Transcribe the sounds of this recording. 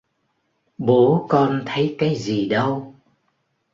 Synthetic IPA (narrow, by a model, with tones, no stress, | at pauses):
ɓo˨˦kɔ˧nt̪ʰə˨˦jkaː˨˦jzi˨˩ɗə˧w